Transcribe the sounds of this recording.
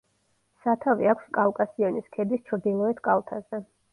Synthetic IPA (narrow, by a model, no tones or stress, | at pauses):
sat̪ʰaviakʷʰskʼalˠkʼasiɔniskʰɛd̪ist͡ʃʰɾd̪ilˠɔɛt̪ʰkʼalˠt̪ʰazɛ